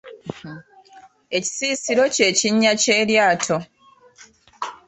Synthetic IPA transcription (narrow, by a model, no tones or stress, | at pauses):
e̞ci̥siːsiɾo̞ce̞ːciɲːace̞ːɾjaːtʰo̞